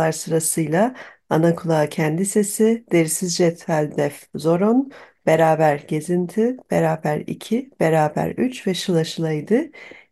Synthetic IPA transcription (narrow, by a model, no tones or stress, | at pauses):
aɾsɯɾasɯjlˠa | anakʰulˠaːcʰɛnd̪ise̞sid̪̥e̞ɾisizd͡ʒɛt̪ʰalʲd̪ɛfzo̞ɾo̞nb̥e̞ɾaːbæɾɟe̞zint̪ʰib̥e̞ɾaːbæɾḭcʰib̥e̞ɾaːbæ̰ɾyt͡ʃvɛʃɯlˠaʃɯlˠajd̪ɯ